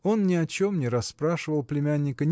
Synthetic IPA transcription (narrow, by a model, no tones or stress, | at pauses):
o̞nnʲɪɐt͡ɕo̞mnʲɪɾɐspɾaʂɨvəlˠplʲɪmʲænʲːɪkənʲ